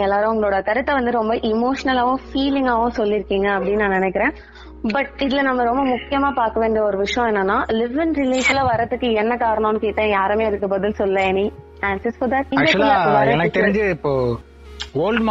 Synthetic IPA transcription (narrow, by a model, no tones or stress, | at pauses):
ɛlːaːɾɯ̃ʊŋɡɐɭoːɽɐt̪ɐɾɯt̪ːɐʋɐnd̪ɯɾɔmbɐʔɪmoːʂɐnɐlaːʋʊ̃fiːlɪŋɡaːʋʊ̃sɔlːɪɾɯkːiːŋɡɐːpːɐɽɪnːɯnãːnɪnɛkːɪɾẽː | bɐʈ̚ɪðɪlɐnɐmːɐɾɔmbɐmʊkːɪjɐmaːpaːɾkɐʋeːɳɖijɐɔɾɯʋɪʂɐjɔ̃ɛnːɐnːaːlɪʋɪnɾɪleːslaːʋɐɾɐðɯkːɯɛnːɐkaːɾɐɳɐ̃ːnɯkeːʈ̪ːɐ̃jaːɾɐmeːɐðɯkːɯbɐðɪlsɔlːlɐ̃ɛnit̪aːnsɐsfɔɾd̪ɐʈ̚ɪːkɡɐt͡ʃllːɐʋɾɐɛnɐkːɯt̪ɛɾɪɲd͡ʒɯɪpːoː | oːlɖm